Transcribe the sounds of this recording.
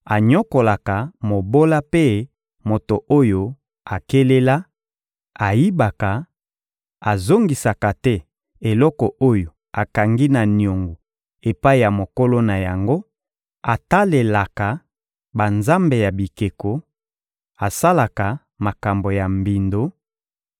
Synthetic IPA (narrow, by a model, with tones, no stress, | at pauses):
a˨ɲɔ˦ko˨la˨ka˨mo˨bo˦la˦pe˦ | mo˨to˨o˦jo˨ | a˨ke˦le˦la˦ | a˨ji˦ba˨ka˨ | a˨zo˦ŋɡi˨sa˨ka˨tɛ˦ | e˨lɔ˦kɔ˨ʔo˦jo˨ | a˨ka˨ŋɡi˦na˨ni˨o˨ŋɡu˨ | e˨pa˦i˨ja˨mo˨ko˦lo˦na˨ja˨ŋɡo˦ | a˨ta˦le˨la˨ka˨ | ba˨nza˦mbe˨ja˨bi˨ke˨ko˨ | a˨sa˦la˨ka˨ | ma˨ka˨mbo˨ja˨mbi˨ndo˨˦